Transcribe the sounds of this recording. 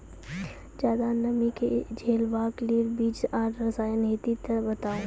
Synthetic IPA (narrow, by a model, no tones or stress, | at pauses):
d͡ʒjaːd̪anɐmiked͡ʒʱeːlʋaːkliːɾbiːt͡ʃaːʈɾɐsaːjənɦeːt̪it̪ɐbɐt̪aːũ